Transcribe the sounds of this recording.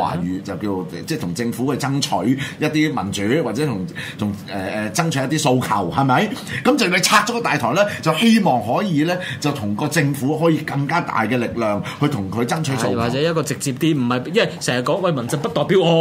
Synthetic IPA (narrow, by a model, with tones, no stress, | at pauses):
a̰ː˨˩ɥyː˨˩t͡sɐ˨wkiː˧o˨˧t͡sɛː˥˩t̪ʰʊ˨˩ŋt͡sɪ˧ŋfu˨˥kɛ˧t͡sɐ˥ŋt͡ʃʰɵ˨˥ɥjɐ˥t̚t̪iː˥mɐ˨˩nt͡ʃyː˨˥waː˨t̚t͡sɛ˨˥t̪ʰʊ˨˩ŋ | t̪ʰʊ˨˩ŋ | ɛ˨ɛː˨t͡sɐ˥ŋt͡ʃʰɵ˨˥jɐ˥t̪̬iː˥so˧wkʰɐ̰˨˩whɐ˨jmɐ˨˥jkɐ˨˥mt͡sɐ˨wkɵ˨˧t͡sʰaː˧k̚t͡ʃɔ˨˥kɔː˧t̪aː˨jt̪ʰɔː˨˩lɛː˥t͡sɐ˨whe˥jmɔː˨ŋɦɔː˨˥jiː˨˧lɛː˥t͡sɐ˨wt̪ʰʊ˨˩ŋkɔː˧t͡sɪ˧ŋfuː˨˥ɦɔː˨˥jiː˧kɐ˧ŋkaː˥t̪a̰ː˨jkɛː˧lɪ˨k̚lœː˨˩ŋhɵ˧ɥt̪ʰʊ˨˩ŋkʰɵ˨˧ɥt͡sɐ˥ŋt͡ʃʰɵ˨˥swaː˨k̚t͡sɛː˨˦jɐ˥t̚kɔː˧t͡sɪ˨k̚t͡siː˧p̚t̪iː˥m̩˨˩hɐ˨jjɐ˥nɐ˨jsɛː˨˩ŋjɐ˨t̚kɔː˨˥ŋwɐ˧˩jmɐ˨˩nt͡sɪ˧ŋpɐ˥t̚t̪ɔː˨jpiː˨˥wɔː˨˧